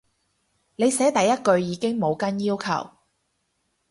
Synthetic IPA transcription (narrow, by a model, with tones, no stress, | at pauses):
ne˨˧jsɛː˨˥t̪ɐ˨jːɐ˥t̚kɵ˧ɥjiː˨˧kɪ˥ŋmo˨˧wkɐ˥njiː˥wkʰɐ̰˨˩w